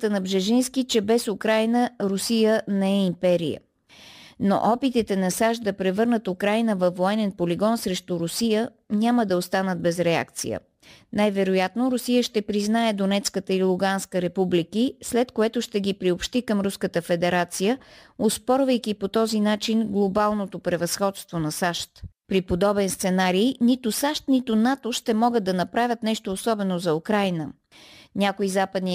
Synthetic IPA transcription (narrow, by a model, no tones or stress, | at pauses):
t̪ənɐbʒɛʒinskit͡ʃɛbɛsukɾajnəɾʊsijənɛɛimpɛɾijə̰ | no̰ʔɔpit̪it̪ɛnɐsaʃd̪ɐpɾɛvɤɾnət̪ukɾajnəvɐfːoɛnɛnpoliɡɔnsɾɛʃt̪uɾʊsijə | ɲʲaməd̪ɐost̪anəd̪̚bɛzɾɛa̰k̚t̪sḭjə̰ | najvɛɾojat̪noɾʊsijəʃt̪ɛpɾiznaɛd̪onɛt̪skət̪əilˠuɡanskəɾɛpublikislɛt̪koɛt̪ʊʃt̪ɛɡipɾiopʃt̪ikəmɾuskət̪əfɛd̪ɛɾat̪sijəospɔɾvəjkipot̪ɔzinat͡ʃinɡlˠobalˠnot̪opɾɛvɐsxɔt̪st̪vonɐsaʃt̪pɾipod̪ɔbɛnst̪sɛnaɾijnit̪ʊsaʃt̪nit̪ʊnat̪oʃt̪ɛmɔɡəd̪ɐnɐpɾavʲət̪nɛʃt̪oːsɔbɛnozɐukɾajnə | nʲakoizapəd̪ni